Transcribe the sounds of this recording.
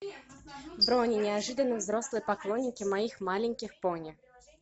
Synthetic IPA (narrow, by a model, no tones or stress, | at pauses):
vbɾonʲɪnʲɪɐʐɨd̪ənːəvzɾo̞slˠɨjəpɐklˠonʲːɪkʲɪmɐixmalʲɪnʲkʲɪxponʲɪ